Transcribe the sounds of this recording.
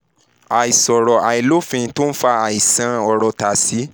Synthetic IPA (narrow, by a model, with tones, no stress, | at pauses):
a˨i˨sɔ˨ɾɔ˨a˨i˨lo˦fĩ˧˦to˦n̩˦fa˧a˨i˨sã˨˦ɔ˧ɾɔ˧˨ta˨si˨˦